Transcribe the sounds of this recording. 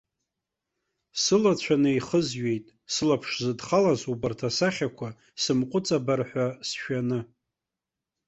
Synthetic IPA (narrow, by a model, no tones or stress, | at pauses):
sɨlat͡ɕʷʰanɨiχəzɥe̞jtʼ | sɨlapʰʂzɨdχalazubartʰasaχʲakʷʰa | sɨmqʷʼʊt͡sʼabarħʷasʃᶣanɨ